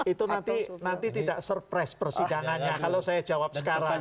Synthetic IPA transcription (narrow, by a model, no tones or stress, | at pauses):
it̪unant̪inant̪it̪idaʔsərpɾɛspərsidaŋanɲakalosajad͡ʒ̥awap̚sə̥kaɾaŋ